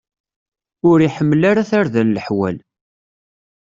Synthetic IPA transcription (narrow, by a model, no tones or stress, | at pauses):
ʊɾiħəmːlaɾaθaɾðælːəħwæ̰l